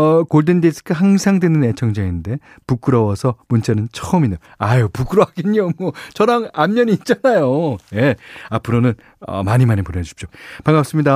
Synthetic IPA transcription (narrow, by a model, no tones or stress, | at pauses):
ʌkoɭdendesʰɯ̥k͈ʰahaŋsʰaŋdwenɯnet͡ɕʰʌŋd͡ʑainde̞ | puk͈ɯɾʌwʌsʰʌmunt͡ɕ͈anɯnt͡ɕʰʌʌmina | ajopuk͈ɯɾʌaɡeɲomwʌt͡ɕʌɾaŋamːʌɲiːt̚t͡ɕ͈anajoje̞apʰɯɾonɯn | ʌ̰maɲimanepoɾʌd͡ʑu̥p̚ɕ͈opaŋap̚s͈ɯmɲida